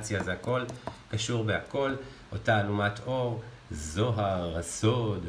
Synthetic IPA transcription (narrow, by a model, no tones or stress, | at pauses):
t͡sjazeako̞lkaʃuʁbeako̞l | ʔo̞taːlumato̞ʁ | zo̞ɦaʁasod